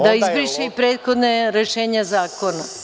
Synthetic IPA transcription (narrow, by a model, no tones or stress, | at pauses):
d̪aizbɾiʃeipɾeːt̪xod̪neɾeʃeːɲazaːkona